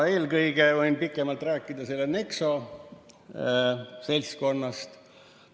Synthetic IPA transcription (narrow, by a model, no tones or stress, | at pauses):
e̞ːlkɤjɡ̥e̞vojnpikːˑe̞mɑlt̪ræːkːˑid̪̥ɑse̞lːene̞kso̞ | se̞lʲsko̞nːɑst̪